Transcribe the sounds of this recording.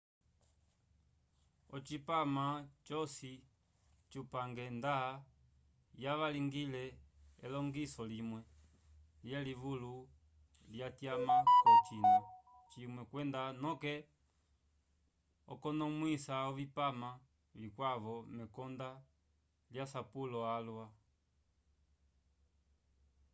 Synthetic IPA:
ɔt͡ʃipamat͡ʃɔsi | t͡ʃupaŋɡɛndaa | jaβaliŋɡilɛɛlɔŋɡisɔlimwɛ | ljɛlivulu | ljatjamakɔt͡ʃinɔ | t͡ʃimwɛkwɛndanɔkɛ | ɔkɔnɔmwisaɔvipama | likwavɔmɛkɔnda | ljasapulɔalwa

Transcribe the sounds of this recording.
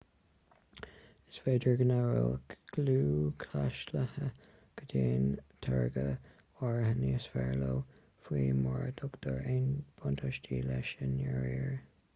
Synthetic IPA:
ɪsfeːdəɹɡənaɹoɡ̥luːkʰlaʃləhə | ɡ̥ədeːnt̪ʰaɹɡə | waɹəhəniːsfɛɹloː | fwiːmɔɹd̪ʰʊɡd̪̥ɔɹeːnb̥ʊnt̪ʰəʃtiːlɛʃənɛɹjəɹ

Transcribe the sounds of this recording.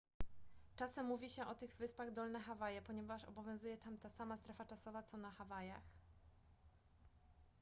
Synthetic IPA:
t͡ʂasɛmːuvʲiɕɛʔɔt̪ɘɣvɘspaɣd̪ɔlnɛxavajɛpɔɲɛvaʂɔ̰bɔvʲjɔ̃w̃zujɛt̪amt̪asamast̪ɾɛfat͡ʂasɔvat̪sɔnaxavaja̰x

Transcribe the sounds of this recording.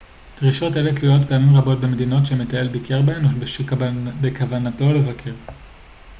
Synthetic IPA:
tʁiʃo̞teletlijo̞tpeamimʁabo̞t̚be̞me̞dino̞tʃemetaelbikʰeʁbeenobeʃbekavanato̞le̞vakʰe̞ʁ

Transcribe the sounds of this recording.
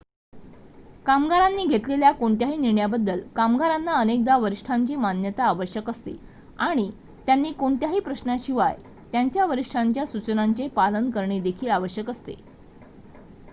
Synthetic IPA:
kamɡaɾanːiːɡʱet̪leljakoɳt̪jaɦiːniɾɳjabəd̪ːəlkamɡaɾanːaənek̚d̪aʋəɾiʂʈʰaɲt͡ɕiːmanjət̪aːʋəɕjəkəst̪ḛ | aɽ̃i | t̪janːiːkoɳt̪jaɦiːpɾəɕnaɕiʋaj | t̪jaɲt͡ɕjaʋəɾiʂʈʰaɲt͡ɕjasut͡ɕənaɲt͡ɕepalənkəɾɳed̪ekʰiːlaʋəɕjəkəst̪ḛ

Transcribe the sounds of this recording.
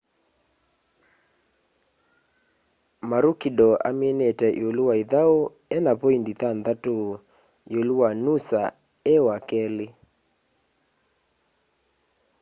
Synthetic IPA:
maɾukidɔʔa̰menetɛʔj̰oluwaiðao | ɛnapɔindiθanðato | joluwanusa | ɛwakɛle

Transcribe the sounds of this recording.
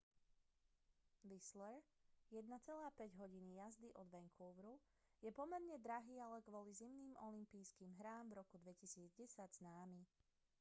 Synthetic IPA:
ʋislɛɾjɛd̪̚nat͡sɛlaːpɛɟɦɔɟinijazd̪iʔɔd̪ʋɛŋkʰuːʋɾu | jɛpɔmɛɾɲɛd̪ɾaɦiːalɛkʋɔlizimniːmʔɔlimpiːskiːmɦɾaːmvɾɔkud̪ʋɛcisiːd͡zɟɛsaɟznaːmi

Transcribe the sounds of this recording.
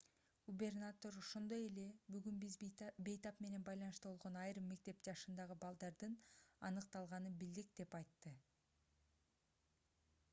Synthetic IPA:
ɡ̥ubʲe̞rnat̪o̞ɾoʃond̪o̞je̞le̞byɡynbizbe̞jt̪ɑpme̞ne̞nbɑjlˠɑnɯʃt̪ubo̞lˠʁo̞nɑjɾɯmːe̞k̚t̪e̞pd͡ʒɑʃɯnd̪ɑʁɯbɑlˠd̪ɑɾd̪ɯnɑ̰nɯqt̪ɑlˠʁɑnɯbild̪ik̚d̪̥e̞pɑjt̪ːɯ

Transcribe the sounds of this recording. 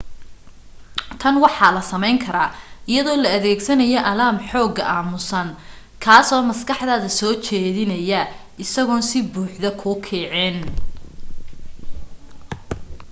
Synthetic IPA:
t̪ʰɐnwɑħɑːlɐsɐmɛjŋkʰɐɾaːɪjɐðɔːlɐɐðɛːɡsɐnɐjɔʔɐlaːmħɔːɡɐʔaːmʊsɐn | kʰaːsɔːmɐskɐħðaːðɐsɔːt͡ʃɛːðɪnɐjɐ | ɪsɐɣɔːnsɪbuːħðɐkʰʊkʰɛːʕɛːn

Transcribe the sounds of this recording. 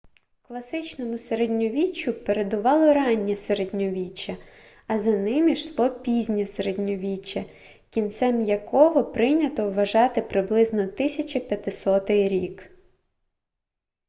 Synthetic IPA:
klˠɐsɪt͡ʃnɔmʊseɾed̪ʲnʲɔʋʲit͡ʃːʊpeɾe̞d̪ʊʋɑlˠɔɾɑnʲːɛseɾedʲnʲɔʋʲit͡ʃːɐ | ɐzɐnɪmʲiʃlˠɔpʲizʲnʲɐseɾed̪ʲnʲɔʋʲit͡ʃːɐ | kʲint̪sɛmjɐkɔɦɔpɾɪnʲɐt̪ɔwːɐʒɑt̪ɪpɾɪblˠɪznɔt̪ɪsʲɐt͡ʃɐpʲjɐt̪ɪsɔt̪ɪɾʲik

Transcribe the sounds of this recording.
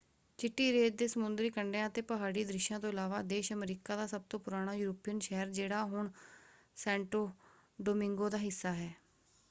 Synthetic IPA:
t͡ʃɪʈːiːɾeːt̪̚d̪eːsəmʊnd̪ɾiːkəɳɖeãːət̪eːpəɦaːɽiːd̪ɾɪʃãːt̪õːɪlaːʋaːd̪eːʃəmɾiːkaːd̪aːsəb̚t̪õːpʊɾaːɽ̃aːjuːɾopijənʃɛːəɾd͡ʒeːɽaːɦʊɳ | sɛ̃ːɳʈoː | ɖoːmɪ̃ŋɡoːd̪aːɦɪsːaːɦɛː

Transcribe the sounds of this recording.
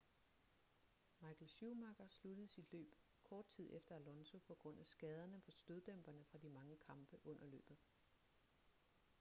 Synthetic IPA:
mɑ̈ɪkʰl̩ɕumɑ̈ɡ̥ɐslud̥əð̩ˠsid̥lø̰ːb̥ | kʰɒːd̥̚t͡sʰið̞̰ˠʔefd̥ɐælɒ̽nso̝pʰɒ̽ɡ̥ʁɔ̽n̰æsɡ̥ɛːð̞ˠɐnəpʰɒ̽sd̥øðˠd̥emb̥ɐnəfʁɑ̈d̥imɑ̈ŋəkʰɑ̈mb̥əʔɔ̽n̰ɐlø̰ːb̥ð̩ˠ

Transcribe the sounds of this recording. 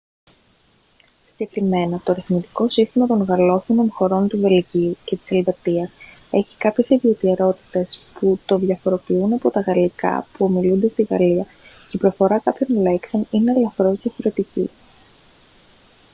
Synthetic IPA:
sɟe̞kɾime̞nɐt̪o̞ɾiθmit̪i̥ko̞sist̪imɐt̪o̞ŋɣɐlo̞θino̞nxo̞ɾo̞nt̪uve̞lʝiuce̞t̪i̥se̞lvet̪iɐs | e̞çi̥kɐpçe̞siðio̞t̪ieɾo̞t̪i̥t̪e̞sput̪o̞ðʝɐfo̞ɾo̞piunɐpo̞t̪ɐɣɐlikɐ̰puo̞milund̪e̞st̪iɣɐ̰liɐ | eipɾo̞fo̞ɾɐkɐpço̞nle̞ksoninelɐfoɾo̞zðjɐfo̞ɾe̞t̪icḭ

